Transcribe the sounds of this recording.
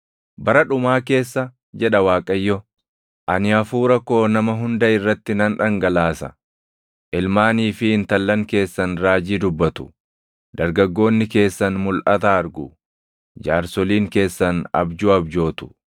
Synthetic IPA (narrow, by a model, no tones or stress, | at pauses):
bɐɾɐᶑʊmaːke̞ːsːɐ | d͡ʒɛᶑɐwaːkʼɐjːɔ | ʔɐnɪɐfuːɾɐkːo̞ːnɐmɐɦʊnd̪ɐɪrːɐt̪ːɪnɐnᶑɐŋɡɐlaːsɐ̰ | ʔɪlmaːniːfɪːnt̪ɐlːɐŋke̞ːsːɐnɾaːd͡ʒiːd̪ʊbːɐt̪ʊ̥ | d̪̥ɐɾɡɐɡːo̞ːnːɪke̞ːsːɐnmʊlʔɐt̪aːɾɡʊ | d͡ʒaːɾsɔliːŋke̞ːsːɐnɐ̰bd͡ʒuɐbd͡ʒo̞ːt̪ʊ̥